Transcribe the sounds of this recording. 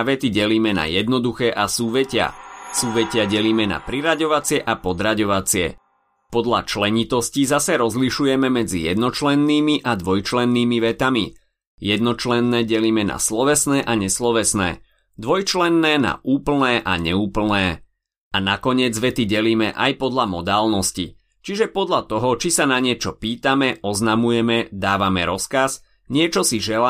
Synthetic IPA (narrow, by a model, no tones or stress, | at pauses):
ʋɛt̪iɟɛliːmɛna̰jɛd̪nɔd̪uxɛːʔasuːʋɛcɪa̰suːʋɛcɪaɟɛliːmɛna̰pɾiɾaɟɔʋat͡sɪɛʔapɔd̪ɾaɟɔʋat͡sɪɛ̰ | pɔd̪ʎat͡ʃlɛɲit̪ɔscizasɛɾɔzliʃujɛmɛmɛd͡zḭjɛ̰d̪nɔt͡ʃlɛnːiːmiʔad̪ʋɔjt͡ʃlɛnːiːmiʋɛt̪ami | jɛd̪nɔt͡ʃlɛnːɛːɟɛliːmɛna̰slɔʋɛsnɛːʔaɲɛslɔʋɛsnɛ̰ː | d̪ʋɔjt͡ʃlɛnːɛːna̰ʔuːpl̩nɛːʔa̰ɲɛ̰uːpl̩nɛː | anakɔɲɪɛd͡zʋɛt̪iɟɛliːmɛʔa̰jpɔd̪lamɔd̪aːlnɔscḭ | t͡ʃiʒɛpɔd̪ʎat̪ɔɦɔt͡ʃisanaɲɪɛt͡ʃɔpiːt̪amɛʔɔznamujɛmɛd̪aːʋamɛ̰ɾɔskaz | ɲɪɛt͡ʃɔsiʒɛla